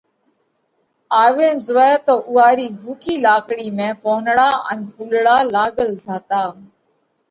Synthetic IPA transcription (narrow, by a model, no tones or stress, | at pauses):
aːʋẽːnzʊʋɛt̪oːʔʊːaːɾiːbʱuːkiːlaːkɽiːmẽːpoːnɽaːə̰npʰuːlɽaːlaːɠəlzaːt̪aː